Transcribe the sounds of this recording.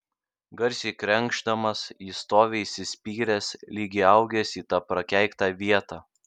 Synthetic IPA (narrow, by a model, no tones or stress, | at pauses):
ɡɐɾʲsʲiːkɾʲɛŋɡʒd̪ɐmɐsiːst̪oːʋʲesʲɪsʲpʲiːɾʲɛslʲiːɡʲɪːɐʊɡʲɛsʲiːt̪ɑːpɾɐkʲæˑɪkt̪ɑːʋʲiɛt̪ɑː